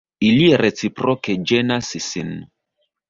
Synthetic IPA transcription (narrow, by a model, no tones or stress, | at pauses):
ilieɾet͡sipɾoked͡ʒenasisin